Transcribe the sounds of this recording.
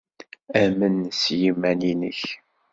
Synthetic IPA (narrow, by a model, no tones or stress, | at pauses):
æmənsjimːæninə̰ç